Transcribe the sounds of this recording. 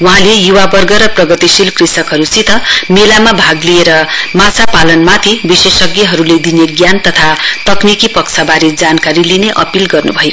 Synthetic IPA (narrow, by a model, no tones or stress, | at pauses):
wuɦãlejuwabʌrɡʌɾʌprʌɡʌt̪isilkrisʌkɦʌɾusit̪ʰʌmelamabʱaɡlieɾʌmat͡sʰapalʌnmat̪ʰibisesʌɡjʌɦʌɾuled̪ineɡjant̪ʌt̪ʰat̪ʌknikipʌkt͡sʰabaɾed͡zankaɾilineʔʌ̰pilɡʌrnṵbʱʌj